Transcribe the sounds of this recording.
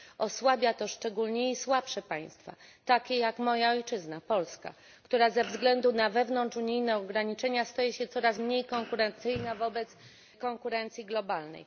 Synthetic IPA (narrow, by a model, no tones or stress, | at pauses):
ʔɔswabʲjat̪ɔʂt͡ʂɛɡulɲɛiswapʂɛpaj̃st̪fa̰t̪akʲejakmɔjaɔjt͡ʂɘznapɔlska̰ | kt̪uɾazɛvzɡlɛnd̪unavɛvnɔnt͡ʂuɲijnɛɔɡɾaɲit͡ʂɛɲast̪ajɛɕɛt̪sɔɾasmɲejkɔŋkuɾɛnt̪sɘjnavɔbɛt̪s | kɔŋkuɾɛnt̪sʲjiɡlɔbalnɛ̰j